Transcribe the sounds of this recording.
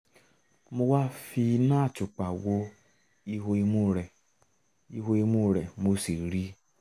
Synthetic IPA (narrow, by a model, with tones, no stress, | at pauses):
mo˧wa˦fi˧nãː˦˨t͡ʃu˨k͡pa˨wo˧˦ | i˧ɦo˧i˧mu˦ɾɛ˨ | i˧ɦo˧i˧mũ˦˨ɾɛ˨mo˧˦si˨ɾi˦